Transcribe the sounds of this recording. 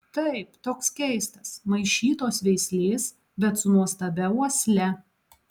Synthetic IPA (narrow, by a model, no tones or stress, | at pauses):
t̪ɐɪpt̪oːkskʲɛɪst̪ɐsmɐɪʃʲiːt̪oːsʋʲɛɪsʲlʲeːs | bʲɛt̪sʊnuɔst̪ɐbʲɛuɔsʲlʲɛ